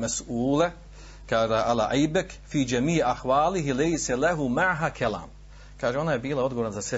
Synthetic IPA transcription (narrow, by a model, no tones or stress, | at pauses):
masuːle | kaːʒaʔala̰ːʔajbekfiːd͡ʒamiːʕaxʋaːliɦilejsalaɦumaʕɦakʰala̰ːm | kaːʒeonajebiːlˠao̞d̪ɡooɾnazase